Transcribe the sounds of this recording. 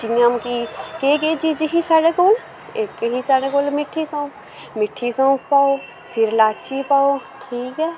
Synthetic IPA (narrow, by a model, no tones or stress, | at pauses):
t͡ʃinjamkikeked͡ʒid͡ʒiɦisaɽekoːl | eːkːeɦisaɽekoːlmɪʈʰːisõːpʰ | mɪʈʰːisãːpʰpaːo | pʰɪɾlaːt͡ʃipaːoʈʰiːkɛ